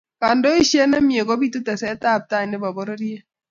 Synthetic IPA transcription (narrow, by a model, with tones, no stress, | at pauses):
ka˨ndo˦i˦ʃi˦ɛ˦nɛ˦mi˨e˨kɔ˦bi˦tu˦tɛ˨sɛ˦ta˦˨p̚ta˦˨nɛ˦ba˨bɔ˦ɾɔ˦ɾi˦e˦